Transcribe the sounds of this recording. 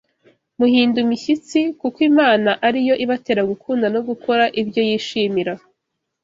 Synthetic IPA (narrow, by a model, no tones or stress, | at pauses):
muɦiːndumiçit͡sikukwimaːnaʔaɾijo̞ʔiβate̞ːɾaɡukʰuːndanoɡukʰo̞ɾaʔibjo̞jiːʃiːmiɾa